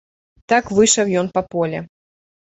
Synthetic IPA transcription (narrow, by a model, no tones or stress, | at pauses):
t̪akvɨʂɐwjɔnpɐpɔlʲɛ